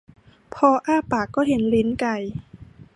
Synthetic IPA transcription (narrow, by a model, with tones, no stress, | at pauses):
pʰɔː˧ʔaː˥˩paː˨˩kːɔː˥˩ɦe˩˦nli˦˥nka˧˩j